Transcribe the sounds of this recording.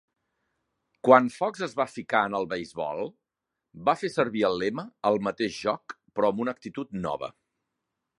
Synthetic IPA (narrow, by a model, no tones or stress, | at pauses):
kwanfɔkzəzβafikaənəlˠβəjzβɔ̰lˠ | bafesəɾβiəlˠːɛməəlˠmət̪eʒʒɔk | pɾɔəmunək̚t̪it̪ut̪nɔ̰βə̰